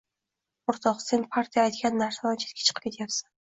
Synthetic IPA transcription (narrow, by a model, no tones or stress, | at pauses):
ʊɾt̪ʰɒqsenpʰaɾt̪ʰijaːjt̪ɡʲanːaɾsalant͡ʃʰet̪̚ʲkʲʰḁt͡ʃʰɨ̥qʰp̚ʲkʲet̪ʰjapsḁn